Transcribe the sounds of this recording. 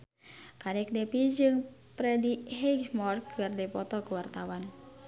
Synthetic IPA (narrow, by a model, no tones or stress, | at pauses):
kanɛk̚dɛpid͡ʒɨŋpɾɛdiɦɛɡmɔrkʰɨrdɛpɔt̪ɔkəwart̪awan